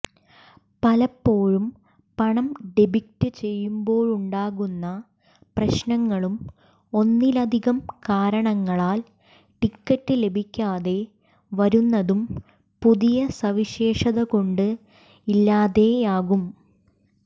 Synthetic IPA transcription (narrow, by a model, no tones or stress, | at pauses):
pɐlɐpːo̞ːɻum | pɐɳɐmɖebʱik̚tɨt͡ɕe̞jːumbo̞ːɻuɳɖaːɣunːɐ | prɐɕnɐŋːɐɭum | o̞nːilɐd̪ʱiɣɐmkaːɾɐɳɐŋːɐɭaːl | ʈikːɐʈːɨle̞bʱikʲːaːðe̞ | ʋɐɾunːɐðum | puðijɐsɐʋiɕe̞ːʂɐðɐko̞ɳɖɨ | ilːaːðe̞jaːɣum